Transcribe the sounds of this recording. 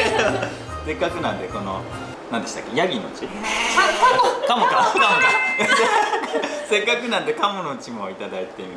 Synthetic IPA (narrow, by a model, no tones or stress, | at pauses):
sekːakɯ̟nãnd̪eko̞no̰ | nãnd̪e̞ɕit̪a̰kːejaɡʲinot͡ɕiɾna | kamokakamoka | se̞kːakɯ̟nãnd̪e̞kamonoɯt͡ɕimoit̪ad̪ait̪eim